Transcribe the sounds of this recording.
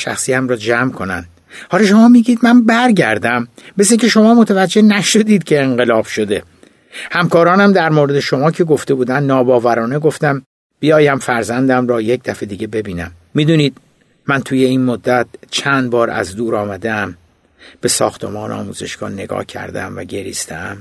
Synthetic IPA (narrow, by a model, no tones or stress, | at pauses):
ʃæ̰xsiːæmɾɒːd͡ʒæmkʰo̞nænd̥̪ | hɒːlɒʃo̞mɒːmiːɡiːd̪mænbæɾɟæɾd̪æmbesiŋcʰe̞ʃo̞mɒːmot̪ʰævæd͡ʒːe̞hnæʃo̞d̪iːd̪̥cʰe̞ːŋɢe̞lɒːb̥ʃo̞d̪e̞ | hæmkɒːɾɒːnæmd̪æɾmoɾe̞d̪e̞ʃo̞mɒːcʰe̞ɡo̞ft̪e̞buːd̪ænd̪nɒːbɒːvæɾɒːneɡo̞ft̪æm | b̥ijɒːjæmfæɾzænd̪æmɾɒːjec̚d̪æfe̞d̪iːɟe̞be̞biːnæmːiːd̪uːniːd̪̥ | mænt̪ʰuːje̞iːnmod̪ːæt̪̚t͡ʃʰænd̪̚bɒːɾæ̰zd̪uːɾɒːmæd̪eæm | b̥e̞sɒ̰ːxt̪ʰe̞̰mɒːnḛɒ̰ːmṵːze̞̰ʃɡ̥ɒ̰ːne̞ɡɒ̰ːhcʰæ̰ɾd̪ḛæmvæ̰ɟe̞ɾḭːst̪ʰeæm